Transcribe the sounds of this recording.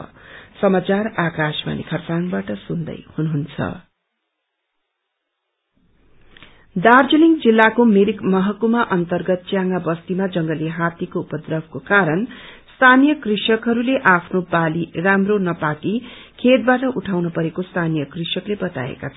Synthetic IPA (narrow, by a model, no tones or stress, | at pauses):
sʌmat͡sarakɾasma̰nḭkʰʌrt͡sanbaʈʌsund̪ʌ̰jhunuɦunt͡sʰʌ̰ | d̪ard͡zuliŋd͡zilːakomeɾikmʌɦʌkumaʔʌnt̪ʌrɡʌt̪̚t͡sjaŋɡabʌst̪imad͡zʌŋɡʌliɦat̪ikoupʌd̪rʌbʱkokaɾʌnst̪ʰanijʌkrisʌkɦʌɾuleʔapʰnobaliramronʌpakikʰet̪̚baʈʌʔuʈʰawnʌpʌɾekost̪ʰanijʌkrisʌklebʌt̪a̰ḛka̰t͡sʰ